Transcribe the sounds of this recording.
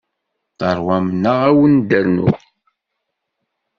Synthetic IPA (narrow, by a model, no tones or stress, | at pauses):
θɑɾˤwæmnəʁæwənd̪əɾnʊ̰